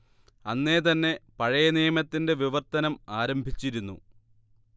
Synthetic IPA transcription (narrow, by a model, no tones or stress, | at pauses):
ɐnːe̞ːt̪ɐnːe̞pɐɻɐjɐnijɐmɐt̪ːinde̞ʋiʋɐrt̪ɐnɐmaːɾɐmbʱit͡ɕːiɾunːṵ